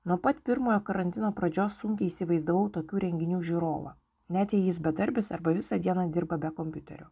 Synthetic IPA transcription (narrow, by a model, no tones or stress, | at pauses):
nuɔpɐt̪pʲɪɾmoːjoːkɐɾɐnʲt̪ʲɪnoːpɾɐd͡ʒʲoːsːʊŋʲkʲɛɪisʲɪʋɐɪzd̪ɐʋɐʊt̪oːkʲuːɾʲɛŋʲɡʲɪnʲuːʒʲuɾoːʋɐ̰ | nʲæt̪ʲjɛjɪsbʲɛd̪ɐɾʲbʲɪsɐɾbɐʋʲɪsɐːd̪ʲiɛnɐd̪ʲɪɾbɐbʲɛkɔmʲpʲʊt̪ʲɛ̰ɾʲʊ